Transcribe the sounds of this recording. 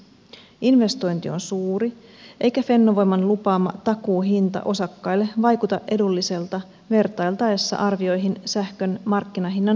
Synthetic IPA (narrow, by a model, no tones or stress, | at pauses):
inʋe̞st̪o̞jnt̪io̞nsuːriʔe̞jkæfe̞nːo̞ʋo̞jmɑnlupɑːmɑ̰t̪ɑkuːɦint̪ɑ̰ʔo̞sɑkːɑjlːe̞ʋɑjkut̪ɑʔe̞dulːise̞lt̪ɑ | ʋe̞rt̪ɑjlt̪ɑesːɑ̰ʔɑrʋio̞jɦinsæhkø̞nmɑrkːinɑɦinːɑn